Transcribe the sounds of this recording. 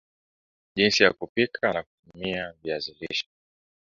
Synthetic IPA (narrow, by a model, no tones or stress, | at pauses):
ʄinsijakupikʰanakutumiaviazilḭʃḁ